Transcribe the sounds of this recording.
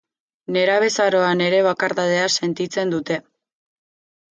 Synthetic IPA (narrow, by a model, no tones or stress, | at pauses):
ne̞ɾaβe̞saɾo̞ane̞ɾe̞β̞akaɾðað̞e̞ase̞nt̪it͡se̞nd̪ut̪e̞